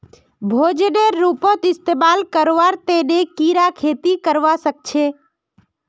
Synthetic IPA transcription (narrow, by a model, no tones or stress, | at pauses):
bʱoːd͡ʒneɾːupõt̪ɪst̪eːmalkəɾʋaɾt̪enekiɾakʰeːt̪ikəɾʋasək̚t͡ʃʰe